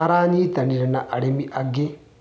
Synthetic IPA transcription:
aɾaːnit̪aniɾenaʔaɽimiʔaɡe

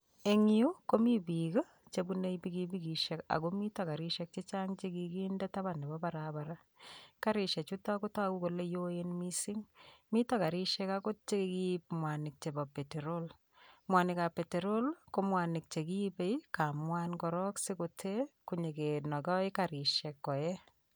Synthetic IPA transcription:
eŋiukomibika | t͡ʃebuneibikibikiʃɛka̰komitakaɾiʃɛk̚t͡ʃet͡ʃaŋt͡ʃekikindataβanɛbɔbaɾabaɾa | kaɾɪʃɛt͡ʃutakotakukolejoenmisɪŋmitakaɾiʃɛkakot͡ʃekekip̚mwanɪk̚t͡ʃebapeteɾol | mwanɪkapeteɾolkomwanɪk̚t͡ʃekipejkamwankɔɾɔksekotʰekuɲekenɔkɔɪkaɾɪʃɛkːɔɛ

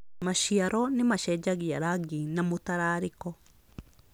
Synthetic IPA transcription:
maʃiaɾʔɔnimaʃɛd͡ʒaɣiaɾaɡinamutaɾaɾikɔ

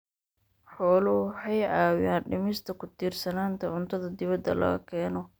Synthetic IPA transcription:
ħɔːlʊħɛjʕaːwaːnɖɪmɪst̪ʰɐkʰʊt̪ʰiːrsɐnaːnt̪ʰɐʕʊnt̪ʰɐðɐd̪ɪβɐd̪ːɐ̰lɐ̰ɣɐ̰kʰɛːnɔ

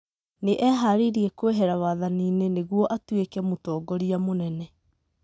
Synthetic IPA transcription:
neʔɛɦaɾiɾiɛkweɦɛɾawaðaniːneneɣwɔʔatwekɛmotɔːɡɔɾiamonɛnɛ

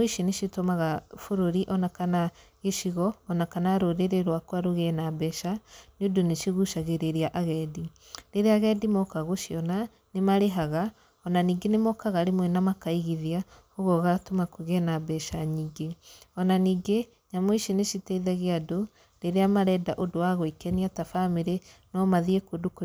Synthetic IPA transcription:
moiʃineʃitomaɣafoɾoɾiʔɔnakana | ɣeʃiɣɔːnakanaɾoɾeɾeɾwakwaɾoɣɛnabɛʃanodoneʃiɣuʃaɣeɾeɾiaʔaɣɛdi | ɾeɾeaɣɛdimɔkaɣoʃiɔna | nemaɾeɦaɣa | ɔnaniːɡenemɔkaɣaɾemwɛnamakaiɣiðiahoɣɔɣatomakuɣɛnabɛʃaɲiːŋɡeɔnaniːɡe | ɲamoiʃineʃitɛiðɛɣeado | ɾeɾeamaɾɛdaʔodowaɣoikɛniatafameɾenɔmaðiekodoko

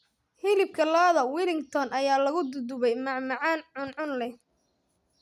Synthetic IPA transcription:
hɪlɪb̚kʰɐlaːðɐwilɪŋɡt̪ʰɔnʔɐjaːlɐɣʊd̪ʊd̪ʊβɛjmɑʕmɑʕɑːnʕʊnʕʊnlɛ

